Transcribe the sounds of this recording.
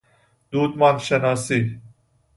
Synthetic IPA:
d̪̥uːd̪mɑːnʃenɑːsiː

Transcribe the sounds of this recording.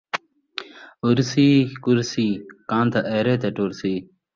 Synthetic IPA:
uɾsiːkuɾsiːkãːnt̪ɐʔeɾet̪eʈuɾsiː

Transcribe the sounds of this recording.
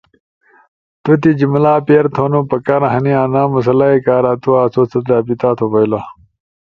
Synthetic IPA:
t̪ut̪̬id͡ʑimlaːpeɾt̪ʰonupɐkaɾɐ̃ɦɐniaːnaːmɐs̬ɐlaekaːɾat̪uaːt͡sʰot͡sʰɐt̪aːbit̪aːt̪ʰopɐjla

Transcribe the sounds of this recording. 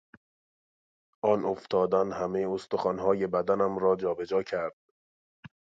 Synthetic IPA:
ʔɒːnoft̪ʰɒːd̪ænhæmejost̪oxɒːnɦɒːje̞bæd̪ænæmɾɒːd͡ʒɒːbe̞d͡ʒɒːcʰæɾd̪̥̚

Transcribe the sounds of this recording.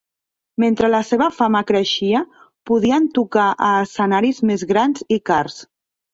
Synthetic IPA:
ment̪ɾələseβəfaməkɾəʃiə | puðiənt̪ukaʔəːsənaɾizmezɣɾanzikars

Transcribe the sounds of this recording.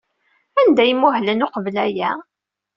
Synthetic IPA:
ænd̪æjəmːʊɦlənʊqəvlæjæ

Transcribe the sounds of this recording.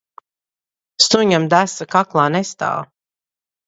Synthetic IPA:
st̪uɲamd̪æsakaklˠaːnɛst̪a̰ːw

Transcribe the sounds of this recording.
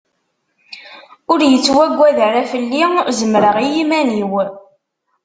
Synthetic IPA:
ʊɾjət͡sːwæɡʷːæðəɾæfəlːizəmɾəʁijimæniw

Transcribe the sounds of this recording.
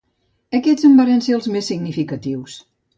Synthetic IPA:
əkɛzəmbaɾenseəlˠzmesːiɡnifikət̪iws

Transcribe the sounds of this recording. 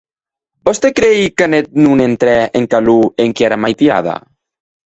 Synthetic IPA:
bɔst̪ekɾejkanet̪̚nunent̪ɾɛeŋkalueŋkiaɾamajt̪ia̰ða̰

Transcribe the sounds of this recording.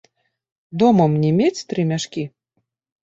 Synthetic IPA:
d̪ɔmɐmnʲɛmʲet͡sʲt̪ɾɨmʲaʂkʲi

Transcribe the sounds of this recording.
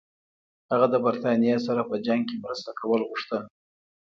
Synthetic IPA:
haɣad̪əbaɾt̪ɑnjesaɾapəd͡ʒaŋɡ̚kemɾəst̪akawəlɣuʂt̪ən

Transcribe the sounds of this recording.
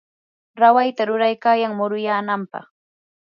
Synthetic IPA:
ɾawajt̪aɾʊɾajkaːjaŋmʊɾʊjaːnampɑ̰χ

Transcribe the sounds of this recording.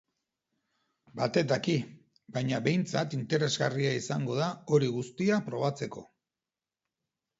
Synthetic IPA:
bat̪e̞t̪aki | bajɲaβe̞jnt͡sat̪int̪e̞ɾe̞zɣariaisaŋɡo̞ð̞ao̞ɾiɣust̪iapɾo̞β̞at͡se̞ko̞̰

